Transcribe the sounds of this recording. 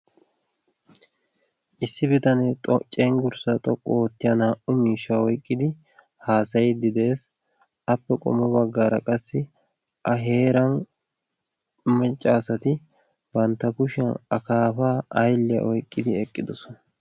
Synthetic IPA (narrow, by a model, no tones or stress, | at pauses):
ʔɪsːɪbɪt̪ɐnet̪ʼɔt͡ʃʼːenɡʊɾsɐt̪ʼɔkʼːɔt̪ːɪjɐnaːʔʊmiːʃːaɔjkʼːɪd̪ɪ | haːsɐjd̪ɪd̪e̞ːs | ɐpːɛkʼɔ̰mɔbɐɡːaːɾɐkʼɐsːɪ | ʔɐɦe̞ːɾɐn | mɛt͡ʃʼːaːsɐt̪ɪ | bɐnt̪ːɐkʊʃɐnɐkaːfaːɐjlːɛ̰ʔɔjkʼːɪd̪ɪɛkʼːɪd̪ɔsɔnɐ